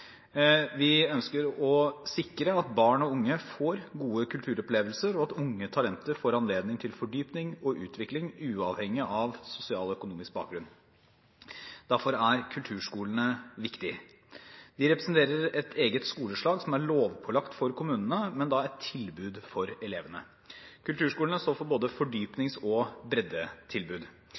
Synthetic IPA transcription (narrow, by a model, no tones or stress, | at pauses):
ʋɪœnskəɾɔsɪkɾəɑt̪bɑːɳɔʊŋːəfoːɾɡuːəkʰʉlt̪ʰʉːɾɔpleːʋəlsəɾɔɑt̪ʊŋːət̪ʰɑlɛnt̪əɾfoːɾɑnleːd̪nɪŋt̪ʰɪlfɔɖyːpnɪŋɔʔʉ̰ːt̪ʰʋɪklɪŋʉːɑːʋhɛŋːɪʔɑʋsʊsɪɑːlɔœkʊnuːmɪsk̚bɑ̰ːk̚ɡɾʉn | d̪̥æɾfɔɾæɾkʰʉlt̪ʰʉːʂkuːlənəʋɪkt̪ɪ | d̪̥ɪɾɛpɾɛsnt̪ʰeːɾəɾɛt̪ʰeːɡət̪skuːləʂɭɑːɡsɔmæɾɭoːʋpʰɔlɑkt̪fɔɾkʰʊmʉːnənəmɛnd̪ɑɛt̪ʰːɪlbʉːd̪fɔɾɛleːʋənə | kʉlt̪ʰʉːʂkuːlənəst̪oːfɔɾboːd̪əfɔɖyːpnɪŋsɔbɾɛd̪ət̪ʰɪlbʉːd̪